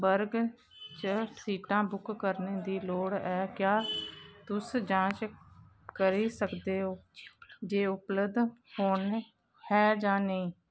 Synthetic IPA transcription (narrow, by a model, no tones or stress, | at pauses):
bəɾɡ | t͡ʃəsiːʈãːbʊkːəɾneːd̪iːloːɽɛːkjaːt̪ʊsd͡ʒãːt͡ʃ | kəɾiːsəkd̪eːɦoːd͡ʒeːʊpləd̪hoːɳ | hɛːd͡ʒãːnəĩː